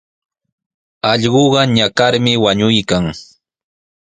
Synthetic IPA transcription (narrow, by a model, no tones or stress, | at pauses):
ɑʎɢoɢɑɲakaɾmɪwaɲʊjkaŋ